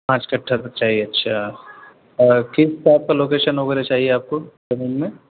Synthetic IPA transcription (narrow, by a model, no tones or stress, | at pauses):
pãːt͡ʃkɐʈʰːasɐkt͡ʃaːɦieɐtːʃʰa | ɔɾkɪstaːp̚kaloːkeːʃənɦoɡenat͡ʃaːɦieaːp̚kod͡ʒɐnummẽ